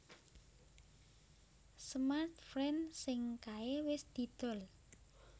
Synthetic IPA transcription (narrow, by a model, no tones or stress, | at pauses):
smart̪̚fɾɛnsɪŋkaewɪsd̪̥i̤d̪̥ɔ̤l